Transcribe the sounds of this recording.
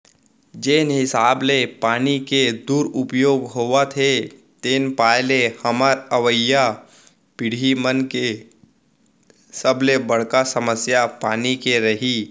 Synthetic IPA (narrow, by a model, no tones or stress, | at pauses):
d͡ʒeːnɦɪsaːblepaːniked̪uːɾʊpjoːɡɦoːʋat̪ʰe | t̪eːnpaːjlehɐmaɾəʋəja | pɪɽ̤imənke | səblebɐɽ̤kasəməsjapaːnikeɾɐɦi